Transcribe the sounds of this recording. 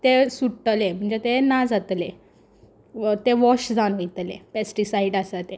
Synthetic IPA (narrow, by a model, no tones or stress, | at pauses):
t̪esuʈʈəlem̤əɳd͡zet̪enad͡zat̪le | t̪eʋɔɕd͡zanoit̪lḛpesʈisaiɖasat̪e